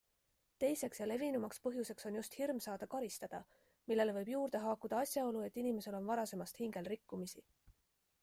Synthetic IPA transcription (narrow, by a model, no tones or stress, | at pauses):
t̪e̞jse̞ksjɑle̞vinumɑkspɤɦjuse̞kso̞njust̪hirmsɑːd̪ɑkɑɾist̪ɑd̪̥ɑ | milːe̞le̞vɤjb̥juːɾd̪̥e̞ɦɑːkud̪̥ɑɑsʲjɑo̞lue̞t̪ːˑinime̞se̞lo̞nvɑɾɑse̞mɑst̪hiŋɡe̞lrikːumisi